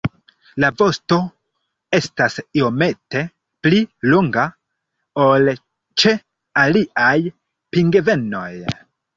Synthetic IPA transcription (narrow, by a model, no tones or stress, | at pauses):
lavo̞sto̞ | e̞stasio̞me̞te̞ | pliloŋɡa | o̞l | t͡ʃe̞ | aliaj | piŋɡeve̞no̞j